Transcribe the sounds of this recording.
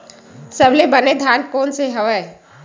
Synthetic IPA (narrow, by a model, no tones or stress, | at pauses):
səblebɐned̪ʱjaːnkoːnseɦɐʋəe